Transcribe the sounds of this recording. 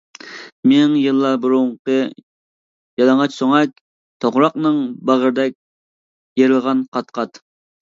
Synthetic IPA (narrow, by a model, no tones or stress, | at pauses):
menɪŋjɨlˠːɑbuɾuɴqə | jɑlˠɑŋɑt͡ʃsoŋɑk̚ʲ | t̪ʰoʁɾɑqnɨŋbɑʁəɾd̪ɛk̚ʲ | jeɾɨlˠʁɑnqʰɑt̪qʰɑt̪